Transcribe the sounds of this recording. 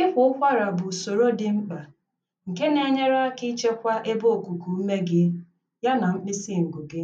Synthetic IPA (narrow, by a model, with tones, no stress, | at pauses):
ɪ˦ɦʊ˦ʊ˦kʷa˦ɾa˨bʊ˨so˨ɾo˦dɪ˨ŋ͡m̩˦k͡pa˨ | ŋ̩˨ke˦ne˨˦ɲe˦ɾa˦a˦ki˦t͡ʃe˦kʷa˦ʔe˦bo˦o˨ku˨ku˨u˦me˦ɡɪ˦ | ja˦na˨m̩˦k͡pɪ˦si˦˨ŋ̩˨ɡʊ˨ɡɪ˦